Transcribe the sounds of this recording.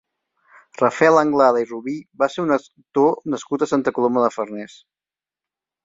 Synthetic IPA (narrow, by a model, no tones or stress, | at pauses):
rəfɛlˠəŋɡlaðəiruβibaseunə | t̪onəskut̪əsant̪əkuloməðəfərnɛs